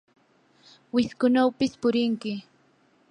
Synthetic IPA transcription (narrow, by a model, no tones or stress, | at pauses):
wɪskʊnawpɪspʊɾɪŋkɪ